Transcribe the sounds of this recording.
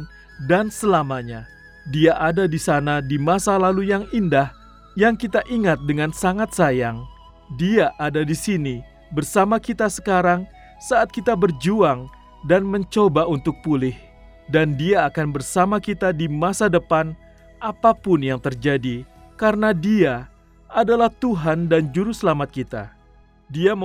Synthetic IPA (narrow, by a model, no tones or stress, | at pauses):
dansəlamaɲa | diaʔadadisanadimasalalujaŋindah | jaŋkit̪aʔiŋat̪̚dəŋansaŋat̪̚sajaŋ | diaʔadadisini | bərsamakit̪asə̥kaɾaŋ | saːt̪̚kit̪abərd͡ʒuaŋ | danməɲt͡ʃobaunt̪ʊk̚pulɪh | dandiaːkanbərsamakit̪adimasadəpan | ʔapapʊnjaŋt̪ərd͡ʒadi | kaɾənadia | adalaht̪uɦandand͡ʒuɾusəlamat̪̚kit̪a̰ | dia